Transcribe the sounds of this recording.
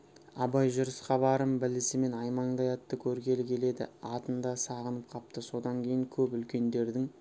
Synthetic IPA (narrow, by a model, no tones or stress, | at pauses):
ɑbɑjʒʊɾəsqɑbɑɾəmbɪlɪsɪme̞nɑjmɑɴd̪ɑjɑt̪ːəkʲʰɵɾɡʲe̞lɪkʲʰe̞le̞d̪ɪ̰ɑt̪ənd̪ɑsɑʁənəp̚qʰɑp̚t̪əso̞d̪ɑŋkʲʰe̞jɪŋkʲʰɵpʏlkʲe̞nd̪e̞ɾd̪ɪŋ